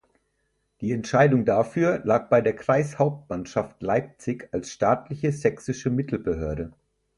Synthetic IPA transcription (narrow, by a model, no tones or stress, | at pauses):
d̥iːɛntʃaɪdʊŋdafyːɐlaːk̚b̥aɪdeːɐkʁ̥aɪshaʊp̚tmanʃaftlaɪp̚t͡sɪçalsʃtaːtlɪçəzɛksɪʃəmɪtʰl̩bəɦøːɐɾə